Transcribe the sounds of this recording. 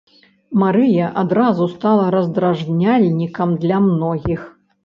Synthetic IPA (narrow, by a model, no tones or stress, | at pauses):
maɾɨjɐʔad̪ɾazust̪alˠɐɾɐzd̪ɾaʐnʲalʲnʲikɐmd̪lʲɐmnɔɣʲix